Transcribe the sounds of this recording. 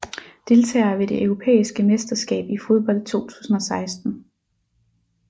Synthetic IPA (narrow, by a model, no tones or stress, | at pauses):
d̥e̝lt͡sʰɛ̰ːɐʋe̝d̥e̝ʔœʊʁo̝pʰḛːisɡ̥əmesd̥ɐsɡ̥ɛ̰ːb̥ifo̝ð̞ˠb̥ɒ̽l̰d̥̚t͡sʰo̝̰ːt͡sʰu̥̰ːsn̩ɒ̽sɑ̈ɪsd̥n̩